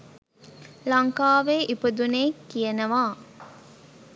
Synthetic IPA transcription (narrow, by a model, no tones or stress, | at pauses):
lɐŋkaːʋeːʔipəd̪uneːkːijənəʋaː